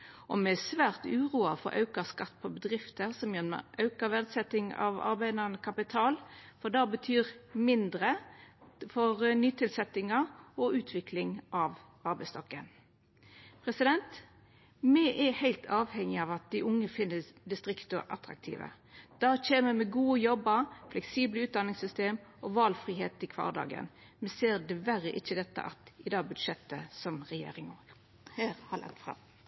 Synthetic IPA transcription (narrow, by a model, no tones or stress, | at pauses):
ʔɔmɛsʋæːʁt̪ʉːʁuːɑ̰fɔ̰ɾʔɑ̰ʉkəskɑt̪ːpʰɔbəd̪ʁɪft̪əʁsɔmjɑnmə̰ʔɑʉkəʋæʁd̪sɛt̪ɪŋɑ̰ʋɑ̰ɾbæɪd̪ɑʁnəkʰɑpɪt̪ʰɑːlfɔd̪ɑbət̪ʰyːʁmɪnd̪ʁə | fɔʁnyːt̪ʰɪlsɛt̪ːɪŋɑɔʔʉːt̪ʰʋɪkʰlɪŋʔɑʋ | ɑɾbæɪst̪ɔkːən | pʰʁɛsɪd̪ɛnt̪ | mɛʔɛhæɪlt̪ʰɑːʋhɛŋɪɑʋɑt̪̚d̪ɪʔʊŋːəfɪnːəsd̪ɪst̪ʁɪkt̪ʊʔɑt̪ɾɑ̰k̚t̪ʰḭːʋə̰ | d̪̥ɑːçeːməmɛɡuːəjɔbəflɛksiːbləʉːt̪̚d̪ɑnɪŋsʏst̪eːmʔɔʋɑːlfʁiːɦeːt̪ɪkʰʋɑ̰ːʁd̪ɑ̰ːɡə̰n | mɛseːɾd̪ɛʋæɾəʔɪçːəd̪ɛt̪ːə̰ʔɑ̰t̪ɪd̪ɑːɡbʉd̪ʂɛt̪ːəsɔmʁɛjḛːɾɪŋo | hæːɾhɑlɛ̰t̪fʁɑ̰m